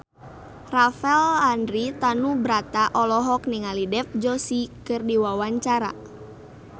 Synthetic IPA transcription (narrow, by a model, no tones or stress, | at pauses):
rafɛlandɾit̪anubɾat̪aʔɔlɔɦɔk̚niŋalidɛp̚d͡ʒɔsikɨrdiwawaɲt͡ʃaɾa̰